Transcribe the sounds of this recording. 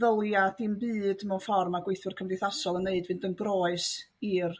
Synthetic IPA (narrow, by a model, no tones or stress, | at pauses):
ðəlˠjad̥imbɨːdmɛnfɔrmaɡweɨθʊrkʰəmdɪθasɔlˠənːeɨdvɨndənbroːɨs | ir